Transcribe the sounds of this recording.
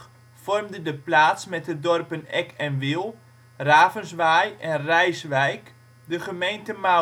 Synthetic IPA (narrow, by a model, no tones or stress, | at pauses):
fɔrmdədəplaːtsmɛt̚ədɔrpənɛkʰɛnʋilˠ | raːvənsʋajɛnrɛjsʋɛjk | dəχəmejntəma